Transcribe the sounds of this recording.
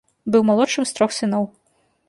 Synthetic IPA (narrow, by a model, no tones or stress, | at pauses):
bɨwmalˠɔtt͡ʂɨmst̪ɾɔxsɨnɔw